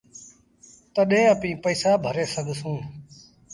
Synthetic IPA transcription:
t̪əɗẽːəpĩːpəːsaːbʱəɾeːsəɡʱsũː

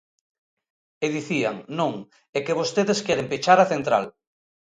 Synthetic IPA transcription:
eðiθiaŋnõŋ | ekeβost̪eðeskjeɾempit͡ʃaɾaθent̪ɾa̰l

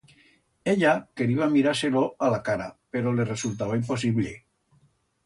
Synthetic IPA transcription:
eʎakeɾiβamiɾaɾseloalakaɾa̰peɾoleresult̪aβaimpo̞s̬iβlḛ

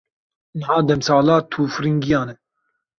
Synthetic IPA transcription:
nəɦɑːd̪ɛmsɑːlɑːt̪ʰuːfɾiŋɡijɑːnɛ

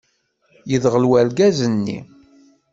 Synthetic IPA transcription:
jəðʁəlwælɡæzənːḭ

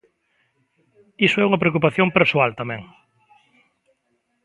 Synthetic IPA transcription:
isʊɛuŋɐpɾeokupaθjompeɾsoalt̪amɛ̰̃ŋ

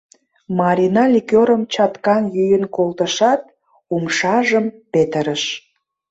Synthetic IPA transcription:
mɑɾʲinɑlʲikʲoɾəmt͡ɕɑt̪kɑnjyjənkolt̪əʃɑt̪̚ | umʃɑʒəmpet̪əɾəʃ

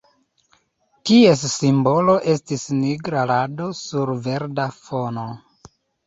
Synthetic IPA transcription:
tie̞sːimbo̞lo̞ʔe̞stisniɡɾalado̞suɾve̞ɾdafo̞no̞

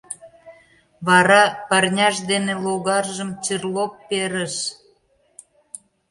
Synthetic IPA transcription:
βɑɾɑpɑrnʲɑʃd̪eneloɣɑrʒəmt͡ɕirlopːeɾəʃ

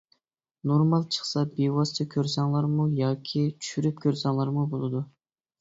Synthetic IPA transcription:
noɾmɑlˠt͡ʃʰə̥χsɑbewɑst̪ʰəkʲʰøɾsɑŋlˠɑɾmujɑːkʲʰit͡ʃʰy̥ʃyɾyp̚kʲʰøɾsɑŋlˠɑɾmubolˠɨd̪u

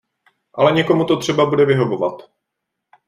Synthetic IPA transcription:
ʔalɛɲɛko̞mut̪ot̪r̝̥ɛbabudɛvɪɦo̞vo̞vat̪

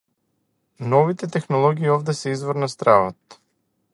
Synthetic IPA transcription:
nɔvit̪ɛt̪ɛxnɔlˠɔɡiːɔvd̪ɛsɛizvɔɾnast̪ɾavɔt̪̚

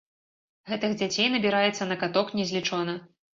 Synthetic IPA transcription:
ɣɛt̪ɨɣd͡zʲat͡sʲejnɐbʲiɾajɛt̪sːɐnɐkat̪ɔknʲɛzʲlʲit͡ʂɔnɐ

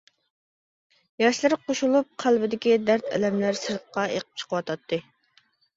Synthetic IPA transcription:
jɑʃlˠɨɾqoʃulˠup̚qʰælbɪd̪ɪkʲid̪æɾt̪ʰɛ̰lɛmlæɾsɨɾt̪̚qɑeqə̥p̚t͡ʃʰə̥qʰəwɑt̪ʰɑt̪ʰːɨ

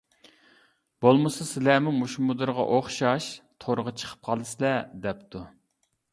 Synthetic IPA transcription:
b̥olˠmɨsɨsɪlæmumuʃmud̪ɨɾʁɑ̰ʔoχʃɑʃt̪ʰoɾəʁɑt͡ʃʰə̥qʰə̥p̚qʰɑlˠɨslɛd̪ɛpt̪ʰu

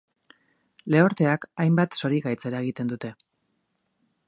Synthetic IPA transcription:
le̞oɾt̪e̞akajmbat̪so̞ɾiɣajt͡se̞ɾae̞ɣit̪e̞nd̪ut̪e̞

